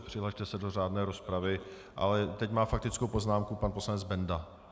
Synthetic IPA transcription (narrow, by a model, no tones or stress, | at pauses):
pr̝̥ɪɦlaʃt̪ɛsɛdor̝aːdnɛːɾo̞spɾavɪ | ʔa̰lɛt̪ɛcmaːfak̚t̪ɪt͡skowpo̞znaːmkupanpo̞slanɛd͡zbɛnda